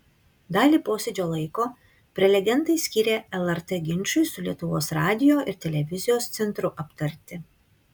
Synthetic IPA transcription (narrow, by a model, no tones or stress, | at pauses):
d̪ɑːlʲiːpoːsʲɛd͡ʒʲoːlˠɐɪkoː | pʲɾʲɛlʲɛɡʲɛnˑt̪ɐɪsʲkʲiːɾʲeːɛlˠɛɾt̪ɛɡʲɪnʲˑt͡ʃʊɪsʊlʲiɛt̪ʊʋoːsɾɑːd̪ʲɪjoːʔɪɾt̪ʲɛlʲɛʋʲɪzʲɪjoːst̪sʲɛnt̪ɾʊʔɐpt̪ɐɾʲt̪ʲɪ